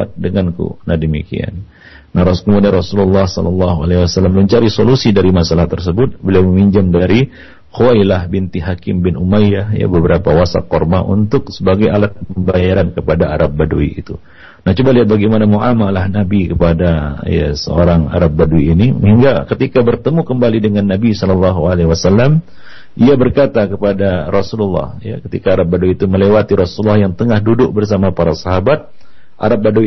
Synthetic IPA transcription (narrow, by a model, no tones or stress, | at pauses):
a̰t̪̚dəŋankṵnahdəmḭkḭa̰nː | ahɾɔsulkəmurdanrɔsululːɑhsɔ̰lɑlːɑɦua̰lehwasalːamːəɲt͡ʃaɾisolusidaɾimasalaht̪ərsəbʊt̪̚bəliawməmiɲd͡ʒamdaɾi | xuajlahbint̪iɦakɪmbɪnʔumajahja̰bəbəɾapawasa̰kɔrma̰ʔṵnt̪ʊksəbaɡajalat̪̚pəmbajaɾankəpadaaɾap̚baduḭḭt̪u | naht͡ʃubaliɦat̪̚baɡɛjmanamuʔamalahnabikəpadaja̰sə̰o̰ɾaŋa̰ɾap̚baduiːnihiŋɡakət̪ikabərt̪əmukəmbalidəŋanːabisɔlɔlːɑɦualewasalːam | iabərkat̪akəpadaɾɔsululːɑ̰hja̰kət̪ḭkaːɾap̚baduiːt̪uməlewat̪iɾɔsululːɑhjaŋt̪əŋahdudʊʔ̚bərsamapaɾasaɦabat̪̚ | ʔa̰ɾap̚badui